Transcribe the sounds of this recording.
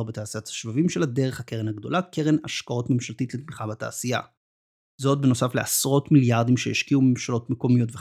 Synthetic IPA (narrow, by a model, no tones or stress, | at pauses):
ʁbetaːsijathḁʃvavimʃelade̞ʁeχhakeʁenhaɡd̪o̞lakeʁena̰ʃkao̞tmemʃaltitletmiχabata̰ːsija̰ | zo̞t̚beno̞safleasʁo̞tmiljaʁdimʃeeʃkiumemʃalo̞tmeko̞mijo̞tve